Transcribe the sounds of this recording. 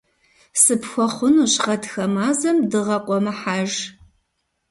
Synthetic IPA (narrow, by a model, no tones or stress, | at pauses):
sɨpxʷɔχʷʊnuɕʁɐtxɐmaːzɐmdɨʁɐqʷʼɔmɐħaːʒ